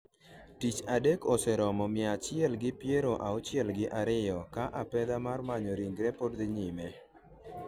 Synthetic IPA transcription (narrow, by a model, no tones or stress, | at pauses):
tit͡ʃadekɔsɛɾɔmɔmɪat͡ʃɪɛlɡɪpjeɾoʔaɔt͡ʃjɛlɡɪʔaɾɪjɔkaʔapɛd̪amarmaɲɔɾiŋɡɾɛpodd̪ɪɲɪmɛ